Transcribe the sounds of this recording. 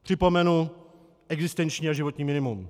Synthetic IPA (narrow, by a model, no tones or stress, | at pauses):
pr̝̥ɪpo̞mɛnu | ɛɡzɪst̪ɛnt͡ʃɲiːaʒɪvot̪ɲiːmɪnɪmum